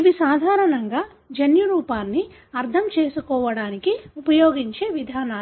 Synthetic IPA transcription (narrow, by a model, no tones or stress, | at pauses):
iʋisaːd̪ʱaːɾɐnɐŋɡaː | d͡ʒɐnjuɾuːpaːnːi | ɐɾt̪ʰɐmt͡ʃeːsukɔːʋɐɽaːnikiupɐjoːɡiɲt͡ʃe̞ːʋid̪ʱaːnaː